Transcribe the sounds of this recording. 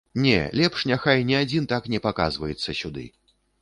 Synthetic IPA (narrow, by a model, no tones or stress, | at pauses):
nʲɛ̰lʲɛpʂnʲaxajnʲiad͡zʲint̪aknʲɛpaka̰zvɐjɛt̪sːɐsʲud̪ɨ̰